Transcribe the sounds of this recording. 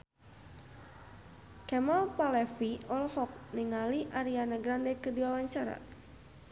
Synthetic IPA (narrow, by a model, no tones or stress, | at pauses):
kɛmalpalɛfiɔlhɔk̚niŋaliʔaɾianaɡɾandɛkədiwawaɲt͡ʃaɾa̰